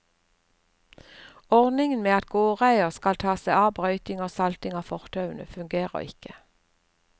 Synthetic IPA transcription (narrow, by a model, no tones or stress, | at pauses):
ɔʁd̪nɪŋən̩meːɑt̪̚ɡoːʁæɪəʁskɑlt̪ʰɑːsæɪɑːbʁœʏt̪ɪŋoːsɑlt̪ɪŋɑːfɔʁt̪ʰɑʉnə̰fʉŋɡeːʁə̰ʁɪ̰kə